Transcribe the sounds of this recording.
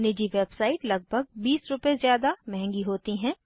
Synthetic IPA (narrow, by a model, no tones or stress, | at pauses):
nɪd͡ʒiʋeːbsaːɪʈlɐɡ̚bʱəɡ̚biːsɾʊpezjaːd̪amɛɦɛ̃ŋɡiɦoːt̪iɦɛ̃ː